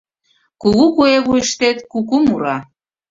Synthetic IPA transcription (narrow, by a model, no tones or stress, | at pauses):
kuɣukueβujəʃt̪et̪kukumuɾɑ